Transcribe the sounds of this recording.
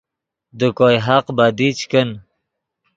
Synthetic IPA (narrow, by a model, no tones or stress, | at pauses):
d̪ukojɦaqbad̪it͡ʃkən